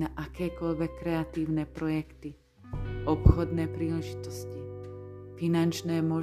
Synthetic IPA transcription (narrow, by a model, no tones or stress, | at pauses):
naʔakɛːkɔʎʋɛkːɾɛat̪iːʊnɛpɾɔjɛkt̪i | ʔɔpxɔd̪nɛːpɾiːlɛʒit̪ɔscifinant͡ʃnɛːmɔ